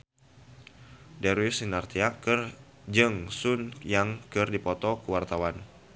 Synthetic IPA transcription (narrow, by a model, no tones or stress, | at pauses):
dɛɾwisinart̪iakɨr | d͡ʒɨŋsunjaŋkɨrdipɔt̪ɔkəwart̪awan